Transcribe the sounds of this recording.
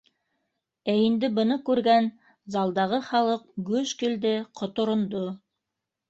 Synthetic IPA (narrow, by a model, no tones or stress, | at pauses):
æind̪ɘbɤ̆nɤkʉɾɡæn | zɑlˠd̪ɑʁɤχɑlˠɤq̚ɡɵʃkɘ̆ld̪ɘqʰŏt̪ŏɾŏnd̪o